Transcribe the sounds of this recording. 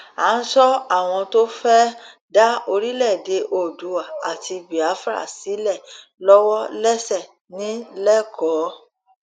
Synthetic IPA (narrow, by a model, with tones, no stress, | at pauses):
a˨˦n̩˦sɔ˦a˦˨w̃ɔ̃˧to˦fɛ˦ | da˦o˧ɾi˦lɛ˦˨de˧ʔo˨du˨wa˨a˨ti˧bi˨a˨˦fɾa̰˦˨si˨˦lɛ˦˨ | lɔ˦wɔ˦lɛ˦sɛ˦˨ | nĩ˨˦lɛ˦˨kʰɔː˨˦